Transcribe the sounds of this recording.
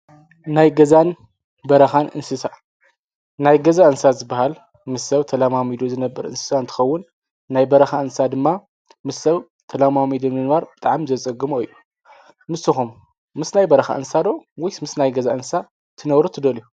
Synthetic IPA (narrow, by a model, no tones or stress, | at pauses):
najɡɐzan | bɐɾɐxanʔɨ̰nsɨsa | najɡɐzaɨnsazɨbːahal | mɨsːɐwt̪ʰɐlamamid̪uzɨnɐbːɐɾɨ̰nsɨ̥saɨnt̪ʰɨ̥xɐwːʊnː | ajbɐɾɐxaɨnsad̪ɨmːa | mɨsːɐw | t̪ʰɐlamamid̪onɨnβaɾbɨt̪ʼaʕmzɐt͡sʼɐɡɨmoɨjːu | mɨsːɨxumː | ɨsnajbɐɾɐxa̰ʔɨnsad̪owɔjsmɨsnajɡɐzaʔɨnɨsa | t̪ʰɨnɐβɾut̪ʰɨd̪ɐlju